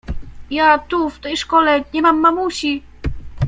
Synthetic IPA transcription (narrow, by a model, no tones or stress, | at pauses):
jat̪uft̪ɛjʂkɔlɛdɲɛmamːamuɕi